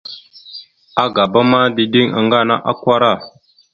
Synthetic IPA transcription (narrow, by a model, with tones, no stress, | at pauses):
a˦ɡa˨ba˦ma˦di˨di˦ŋa̰˨ŋɡa˦˨na̰˦ʔa˦kʷa˦ɾa˦˨